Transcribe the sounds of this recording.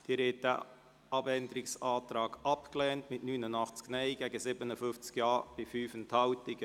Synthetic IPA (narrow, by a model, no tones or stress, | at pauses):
d̥iːɾeːt̚dæ̰ | ʔɑbɛnd̪əɾɪksɑːtɾɑːɡ̥ɑpklɛːntmɪtnyːnənɑχt͡sknɛɪɡɛɡəsɪbənəfʏft͡skjɑːɾb̥ɪfyːfənthɑwtɪɡə